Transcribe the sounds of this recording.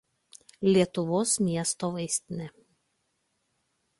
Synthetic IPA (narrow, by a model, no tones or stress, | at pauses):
lʲiɛt̪ʊʋoːsmʲiɛst̪oːʋɐɪsʲt̪ʲnʲɛ